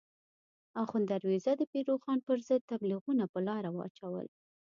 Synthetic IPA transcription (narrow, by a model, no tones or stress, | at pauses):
ɑxund̪aɾwezad̪əpeɾoxɑnpəɾzəd̪̚t̪abliɣunapəlɑɾawəa̰t͡ʃawə̰l